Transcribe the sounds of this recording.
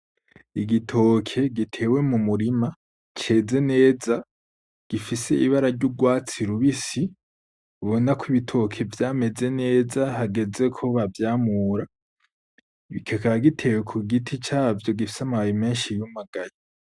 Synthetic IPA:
iɡitʰo̞kʰe̞ɡitʰe̞ːwe̞mumuɾima | t͡ʃe̞ːze̞ne̞ːza | ɡ̥ifise̞ʔiβaɾaɾɟuɡwaːt͡siɾuβisi | βo̞nakwiβitʰo̞kʰe̞vjaːme̞ze̞ne̞ːzahaɡe̞ze̞kʰo̞βavjaːmuːɾa | βikʰekaɾaɡitʰe̞we̞kʰuɡitʰit͡ʃaːvjo̞ɡifi̥samaβajime̞ːnʃijumaɡajo

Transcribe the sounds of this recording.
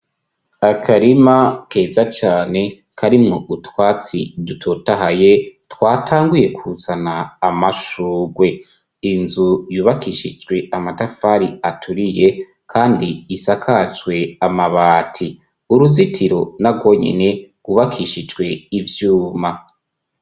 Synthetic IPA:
akʰaɾimakʰe̞ːzat͡ʃaːne̞ | kʰaɾimŋoʔutwaːt͡sidutʰotaɦaje̞twaːtʰaːŋɡuje̞kuut͡sanaːmaʃuːɡwe̞ | inzujuːβakʰiʃid͡ʒɡwe̞amatafaɾiatʰuɾije̞ | kʰaːndiːsakʰat͡ʃɡwe̞amaβaːtʰi | uɾuzitʰiɾo̞naɡɡwo̞ɲḛne̞ɡ̥uβakʰiʃid͡ʒɡwe̞ivjuːma

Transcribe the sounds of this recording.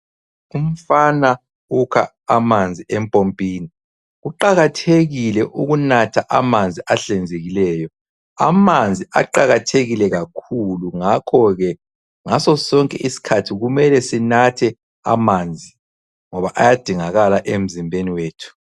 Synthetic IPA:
um̩fana | ukʰa̰ | amand͡zʱiɛmpʼompʼiːni | ɣuǃaɣatʰeɣilɛʔuɣunatʰaʔamand͡zʱiaɬɛnd͡zʱeɣilɛːjɔ | a̰mand͡zʱiʔa̰ǃaɣatʰeɣilɛɣakʰuluŋakʰɔɣɛ | ŋasɔsɔŋkʼɛʔisi̥kʰatʰiɣumɛlɛsinatʰɛ | a̰mand͡zʱi | ŋɔβaʔajad̥ʱiŋaɣalaʔem̩zimbʱeniweːtʰu̥

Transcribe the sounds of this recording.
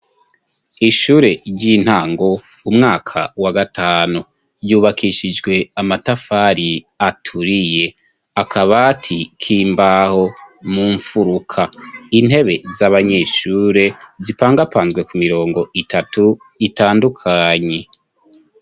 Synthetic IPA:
iʃuːɾe̞ɾjɟin̥haːŋɡo̞ | umŋaːkʰa̰waɡataːnu | ɾjuːβakʰiʃid͡ʒɡwe̞amatafaɾi | atʰuɾije̞ | akʰaβatʰikʰiːmbaho̞muːɱfuɾukʰain̥he̞βe̞zaβaɲe̞ʃuːɾe̞zipaːŋɡapaːnzɡwe̞kumiɾo̞ːŋɡo̞ʔitʰatu | itaːndukʰaɲe̞

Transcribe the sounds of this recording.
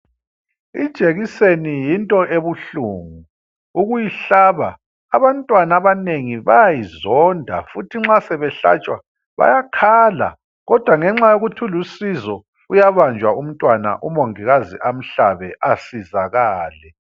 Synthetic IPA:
id̥ʒ̥ʼʱeɣisenijintʼɔʔeβuɬuːŋu | uɣujiɬaβaː | βantʼwanaβaneŋiβajajizɔndʱa̰futʰiŋ͡ǁasɛβɛɬa̰t͡ʃʼwa̰ | βa̰jakʰaːla̰ | ɣɔd̥ʱwaŋɛŋ͡ǁajoɣutʰulusizɔ | ujaβand͡ʒʱwaum̩tʼwana̰ʔumoŋiɣaziʔam̩ɬaβɛʔasizaɣaːlɛ

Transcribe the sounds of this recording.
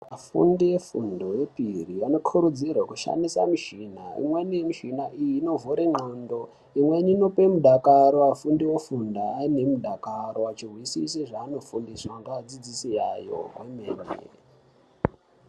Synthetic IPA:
afṵndije̞fundo̞je̞piriano̞kʰuɾud͡zirwakuʃa̰ndisa̰miʃinaḭmwenijemiʃinaʔijiːno̞vuɾeŋ͡ǃondo̞ | imwe̞nino̞pe̞muɗʱakaɾoafundiwefundaːine̞muɗʱakaɾoat͡ʃirwisḭseʐaːno̞fundiswaŋɡad͡zid͡zisijajo̞̰ɦemeːnḛ

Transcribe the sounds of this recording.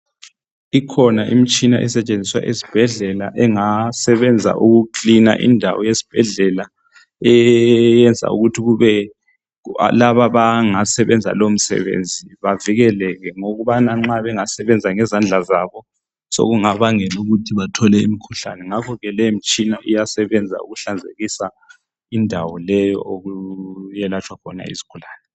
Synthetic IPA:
ikʰɔnaʔḭmit͡ʃʼinaʔɛsɛt͡ʃʼend͡zʱiswa̰ʔesi̥b̥ʱɛɮɛla̰ʔɛŋasɛβɛnd͡zʱa̰ʔuɣukina̰ʔḭndʱa̰wɔjesi̥b̥ʱɛɮɛla | ɛjɛnd͡zʱa̰ṵɣutʰiɣuβɛ̰ | laβaβaŋasɛβɛnd͡zʱa̰lom̩sɛ̰βḛnd͡zʱiβaviɣɛlɛɣɛŋoɣuβanaŋ͡ǁaβɛŋasɛβɛnd͡zʱaŋɛzand͡ɮʱazaːβɔ | so̰ɣuŋaβaŋɛluɣutʰiβatʰɔlɛḭmikʰuɬa̰nɛŋakʰɔɣɛlɛm̩t͡ʃʼinaʔijasɛβɛnd͡zʱa̰ṵɣuɬand͡zʱḛɣisa | indʱawɔlɛjɔ̰ʔoɣujɛlat͡ʃʰʼwakʰɔna̰ḭzi̥kʰulaːnɛ

